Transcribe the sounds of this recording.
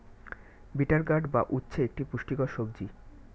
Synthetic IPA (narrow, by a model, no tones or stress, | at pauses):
biʈaɾɡaɖba̰ʔutːɕʰeek̚ʈipuʃʈikoʃob̚d͡ʑi